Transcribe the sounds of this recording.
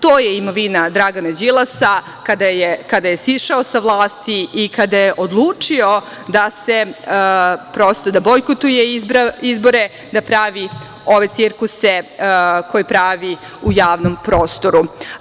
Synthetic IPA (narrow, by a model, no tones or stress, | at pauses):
t̪oːjeimoʋinad̪ɾaɡanad͡ʑilˠasa | kad̪ajekad̪ajesiʃaosaʋlˠaːst̪iikad̪ajeʔod̪lˠuːt͡ʂio̞ | d̪ase | pɾoːst̪od̪abojkot̪ujeibizbo̞ɾe | d̪apɾaʋi | o̞ʋet̪siɾkuseko̞jipɾaʋi | ujaːʋnompɾoːst̪o̞ɾu